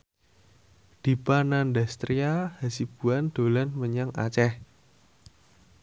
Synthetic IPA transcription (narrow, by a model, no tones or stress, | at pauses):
d̪̥i̤panandast̪ɾiahasib̥uand̪̥o̤lanməɲaŋa̰t͡ʃɛh